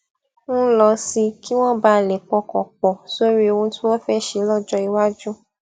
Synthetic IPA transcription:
ñ̩˦lɔ˧si˧ki˦w̃ɔ̃˦ba˦˨lɛ˨k͡pɔ˧kɔ̃˨k͡pɔ˨so˦ɾi˦o˧ũ˧tĩ˦wɔ˦fɛ˦˨ʃe˨˦lɔ˦˨d͡ʒɔ˧i˧wa˦d͡ʒũ˦

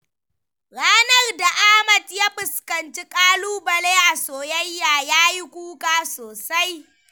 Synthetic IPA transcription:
ɽaː˦nɐ˦rda˨ʔaː˦mɐ˨tjaː˦ɸɪ˨skɐ˨nt͡ʃi˦kʼaː˦luː˦bɐ˨leː˦ʔa˨soː˨jɐ˦jːaː˨jaː˦ji˦kʷuː˦kaː˦soː˨sa˦j

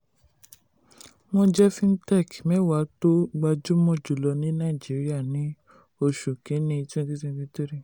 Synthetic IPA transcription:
mɔ̃˧d͡ʒɛ˦fĩ˦n̩˦tɛ˦˨kmɛ̃˨˦wa˨˦to˦ɡ͡ba˧d͡ʒu˦mɔ̃˦˨d͡ʒu˨lɔ˧nĩ˨˦nã˦˨d͡ʒi˨˦ɾi˦a˦˨nĩ˨˦ | o˧ʃu˨kĩ˨˦nĩ˧i˧tĩ˦˧ti˦tĩ˦˧tĩ˦to˦ɾi˦˨

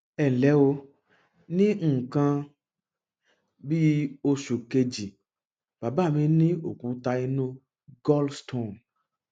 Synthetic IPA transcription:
ɛ˨n̩˨lɛ˨˦wo˧ | nĩ˦ŋ̩˦˨kã˧ | bi˦o˧ʃu˨ke˧d͡ʒi˨ | ba˨ba˦˨mĩ˧nĩ˦o˨kũ˨˧ta˧i˧nũ˦ | ɡɔ˦lstʰõ˨n

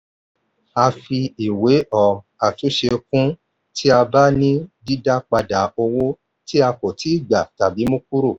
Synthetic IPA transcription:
a˧fi˧i˨we˨˦ʔɔ˨ | a˨tu˨˦ʃe˧kũ˦ | tʰi˦a˧ba˦nĩ˦di˦da˦k͡pa˧da˨o˧wo˦ | ti˦a˧ko˨tʰi˨˦i˦˨ɡ͡ba˨ta˨bi˨˦mũ˦k̚u˦ɾo˦˨

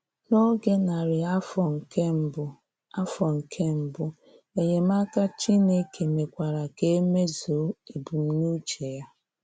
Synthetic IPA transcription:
no˦ɡe˦na˨ɾɪ˨a˦fɔ˨ŋ̩˨ke˦m̩˦bʊ˦ | a˦fɔ˨ŋ̩˨kʰe˦m̩˦bʊ˦ | e˨ɲe˨m̩˦a˦ka˦t͡ʃi˦ne˦ke˨me˨kʷa˨ɾa˨ke˦e˦me˦zo˨˦e˨bu˨m̩˦nu˦t͡ʃe˨ja˦

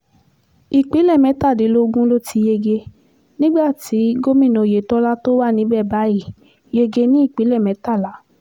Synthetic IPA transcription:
i˨k͡pi˨˦lɛ˦˨mɛ̃˨˦ta˦˨de˨˦lo˦ɡũ˦lo˦ti˧je˧ɡe˧ | nĩ˦ɡ͡ba˦˨ti˨˦ɡo˦mĩ˦˨nɔ̃˧˨je˨tɔ˦la˦to˦wa˦˨nĩ˨˦bɛ˦˨ba˨˦ji˦˨ | je˧ɡe˧nĩ˦i˦˨k͡pi˨˦lɛ˦˨mɛ̃˨˦ta˦˨la˨˦

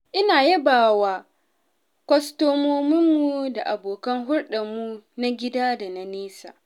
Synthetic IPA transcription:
ʔɪ˦naː˨jɛ˦baː˨waː˨ | kʷɔ˦stoː˦moː˦mɪ˦mːu˨da˨ʔa˨boː˨kɐ˦ŋɦʊ˦rɗɐ˨mu˦na˦ɡʲɪ˦daː˦da˨na˨neː˦sa̰ː˨

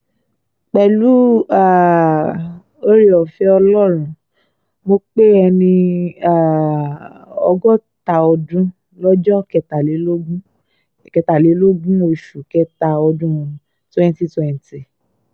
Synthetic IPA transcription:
k͡pɛ˨lu˨˦a˦˨ | o˦ɾi˦ɔ˨fɛ˨˦ɔ˧lɔ˦˨ɾ̃ũ˨ | mo˧k͡pe˦ɛ˧nĩ˧a˦˨ | ɔ̰˧ɡɔ˦ta˨ɔ˧dũ˦ | lɔ˦d͡ʒɔ˦kɛ˧ta˨le˨˦lo˦ɡũ˦˨ | kɛ˧˨ta˨le˨˦lo˦ɡũ˦o˧ʃu˨kɛ˦ta˧ɔ˧dũ˦˧ | twɛ̃˦n˦ti˦twɛ̃˨nti˨

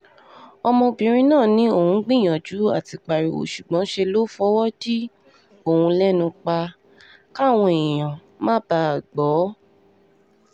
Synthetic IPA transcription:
ɔ˧mɔ̃˧bĩ˧˨ɾ̃ĩ˧nãː˦˨nĩ˨˦o˦˨hũ˧˦ɡ͡bĩ˦˨j̃ã˨d͡ʒu˨˦a˦˨ti˧k͡pa˨ɾi˨o̰˨ʃu˨ɡ͡bɔ̃˨˦ʃe˧lo˦fɔ˦wɔ˦di˦ | o˦˨hũ˧lɛ˦nũ˧k͡pa˧ | ka˦˨w̃ɔ̃˧ẽ˨ã˨ | mã˦ba˧˦˨ɡ͡bɔ˨˦

